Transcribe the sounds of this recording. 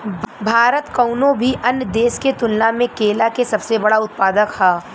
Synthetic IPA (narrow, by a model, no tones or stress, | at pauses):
bʱaːɾət̪kɐʊnõbʱiʔɐnjəd̪eːʃket̪ʊnːamẽkeːlakesɐbsebɐɽaʊt̪̚paːd̪əkhaː